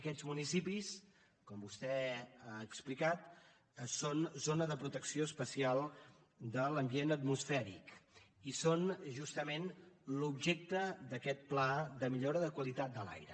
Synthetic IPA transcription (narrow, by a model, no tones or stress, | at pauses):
əkɛzmunisipis | kɔmbust̪ɛaːksplikat̪ | əsonzonəðəpɾut̪əksioəspəsialˠ | d̪ələmbienət̪musfɛɾḭkisonʒust̪əmenlubʒek̚t̪əd̪əkɛt̪̚plaðəmiʎoɾəðəkwəlit̪at̪̚d̪əla̰jɾə̰